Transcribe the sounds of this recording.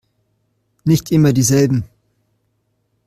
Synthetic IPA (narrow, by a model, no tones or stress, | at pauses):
nɪçtʔɪmɐdiːzɛlbm̩